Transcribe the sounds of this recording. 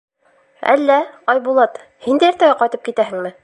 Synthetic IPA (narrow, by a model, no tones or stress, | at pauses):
æ̰lːæɑjbulˠɑt̪ | hind̪æjɘɾt̪æɡæqɑjt̪ɤp̚kit̪æhɘ̆ŋmɘ